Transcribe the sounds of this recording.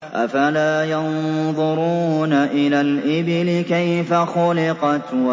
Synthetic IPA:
ʔafalaːjɑnðˤʊɾuːnaʔɪlaːlʔɪbɪlɪkajfaxʊlɪqɑt̪wa

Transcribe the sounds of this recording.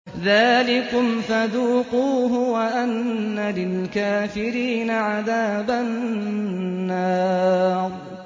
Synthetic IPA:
ðaːlɪkʊmfaðuːquːɦʊwaʔanːalɪlkaːfɪɾiːnaʕaðaːba | ɑːɾˤ

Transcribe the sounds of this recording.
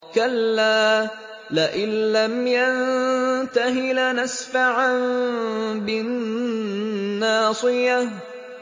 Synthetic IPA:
kalːaː | laʔɪnːamjant̪aɦɪlnasfaʕan | bɪn | ɑːsˤɨja

